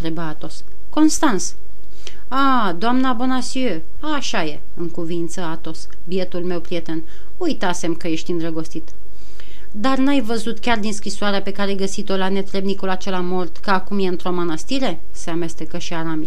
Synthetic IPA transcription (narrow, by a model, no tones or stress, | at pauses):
t̪ɾebaat̪o̞s | ko̞nst̪ant̪s | a | d̪oamnabo̞nasiø | aʃaje̞ | ɨŋkuvint̪səat̪o̞s | bie̞t̪ulme̞wpɾie̞t̪e̞n | ujt̪ase̞mkəje̞ʃt̪ʲind̪ɾəɡo̞st̪it̪ | d̪arnajvəzut̪kʲard̪inskɾisoaɾeape̞kaɾeajɡəsit̪o̞lane̞t̪ɾe̞bnikulat͡ʃe̞lamo̞rt̪kəakumjeɨnt̪ɾo̞manast̪iɾe̞ | se̞ame̞st̪e̞kəʃiaɾami